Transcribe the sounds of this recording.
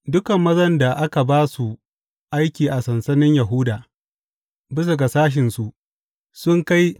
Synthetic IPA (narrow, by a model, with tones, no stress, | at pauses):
dʊ˦kɐ˨mːɐ˦zɐ˦nda˨ʔa˦ka˨baː˦su˨ | ʔa˦jkʲiː˨ʔa˨sɐ˨nsɐ˦nɪ˦ɲja˨ɦʊ˦daː˨ | bɪ˦s̬ʊ˨ɡa˨saː˦ʃ̬ɪ˨nsu˨ʔ | sʊ˦ŋka˦j